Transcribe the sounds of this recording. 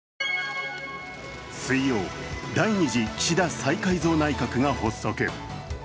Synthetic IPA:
sɨijo̞ːd̪aiɲ̟iʑiɕid̪asaikaizo̞ːnaikakɯ̟ɡaho̞so̞keɯ

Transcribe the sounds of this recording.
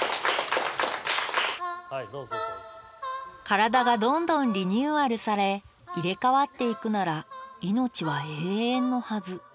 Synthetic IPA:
kaɾad̪aɡad̪õ̞nd̪õ̞nɾʲiɲ̟ɨːaɾɯ̟saɾe̞ | iɾe̞kaβat̪ːe̞ikɯ̟naɾaino̞t͡ɕiβaeːẽ̞nːo̞hazɨ

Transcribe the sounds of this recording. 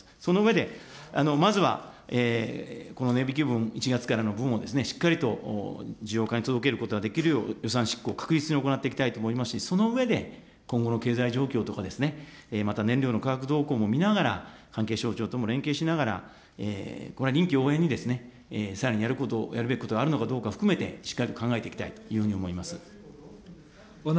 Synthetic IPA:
so̞noɯ̟e̞d̪e̞ano̞mazɨβa̰ | eːko̞no̞ne̞bʲikʲibɯ̟̃ɴ̃it͡ɕiɡat͡sɨ̥kaɾano̞bɯ̃ɰ̃o̞d̪e̞sɨne̞ɕi̥kːaɾʲit̪o̞̰d͡ʑijo̞ːkaɲ̟it̪o̞d̪o̞k̬e̞ɾɯ̟ko̞t̪oad̪e̞kʲiɾɯ̟jo̞̰ːjo̞s̬ãɰ̃ɕi̥kːo̞ːkḁkɯ̟ɾʲit͡sɨɲ̟io̞konat̪ːeikʲi̥t̪ait̪oːmoimasɨ̥ɕiso̞no̞ɯ̟e̞d̪e̞ | kõ̞ŋɡo̞no̞ke̞ːzaiʑo̞ːkʲo̞ːt̪o̞kad̪e̞sɨne̞mat̪anẽ̞nɾʲoːno̞kaɡakɯ̟d̪o̞ːkoːmo̞mʲinaɣaɾa̰kãŋke̞ːɕo̞ːt͡ɕo̞ːt̪omo̞ɾẽ̞ŋkeːɕinaɣaɾa̰ | ḛːko̞ɾeɾʲĩŋkʲio̞ːẽ̞ɲ̟ːid̪e̞sɨne̞ | saɾaɲ̟ijaɾɯ̟kot̪ojaɾɯ̟beki̥ko̞t̪oɡaɾɯ̟no̞kad̪o̞ːkaɸɯ̟̥kɯ̟me̞t̪e̞ɕi̥kːaɾʲit̪o̞kãŋɡae̞t̪eikʲi̥t̪ait̪o̥jɯ̟hɯ̟ɲ̟io̞mo̞imasɨ

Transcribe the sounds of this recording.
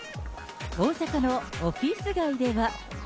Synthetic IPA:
o̞ːsakano̞oɸʲisɨɡaɯ̟d̪e̞βa

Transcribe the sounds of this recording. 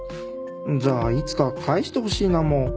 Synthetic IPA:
d͡ʑaːit͡sɨ̥kakʰaiɕi̥t̪eho̞ɕiːnamo

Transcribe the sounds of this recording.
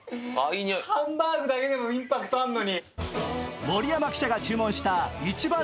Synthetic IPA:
aiɲhãmbaːɡɯ̟d̪ake̞d̪e̞moĩmpakɯ̥t̪oaɯnːo̞ɲ̟i | mo̞ɾʲijamakʲi̥ɕaɡat͡ɕɨːmõ̞ɰ̃ɕi̥t̪ait͡ɕibã

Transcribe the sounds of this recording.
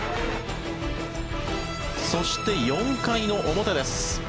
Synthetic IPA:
so̞ɕi̥t̪e̞jõ̞ŋkaino̞ʔomo̞t̪ed̪e̞sɨ̥

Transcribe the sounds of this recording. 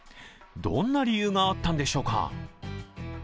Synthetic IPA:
d̪õ̞̰nːaɾʲijɯːŋaat̪ːãnd̪eɕo̞ːka̰

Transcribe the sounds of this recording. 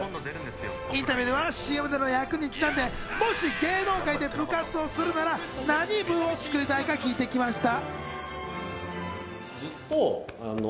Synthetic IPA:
ĩnt̪abʲiɯːd̪eβaɕiːemɯ̟d̪eɾɯnojakɯ̟ɲ̟it͡ɕinãnd̪e̞ | mo̞ɕiɡe̞ːno̞ːkaid̪e̞bɯ̟kat͡sɨo̞sɨɾɯ̟naɾa | naɲ̟ibɯ̟̃o̞sɨ̥kɯ̟ɾʲit̪aikakʲiːt̪e̞kʲimaɕi̥t̪a | o | an

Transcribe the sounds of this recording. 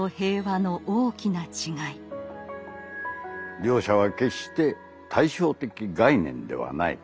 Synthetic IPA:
ohe̞ːβano̞ʔoːkʲinat͡ɕiɡai | ɾʲo̞ːɕaβake̞ɕt̪e̞ | t̪ʰaiɕo̞ːt̪e̞kʲiɡainẽ̞̰nd̪e̞̰βa̰na̰ḭ

